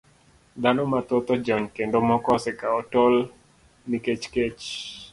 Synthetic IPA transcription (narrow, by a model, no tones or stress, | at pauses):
d̪anɔmat̪ot̪ɔd͡ʒɔɲkendomɔkɔsɛkaɔtɔl | niket͡ʃket͡ʃ